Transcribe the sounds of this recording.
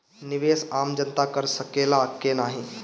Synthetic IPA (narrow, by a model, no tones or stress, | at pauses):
nɪʋeːsaːmd͡ʒənt̪akəɾsəkeːlakenaːɦĩ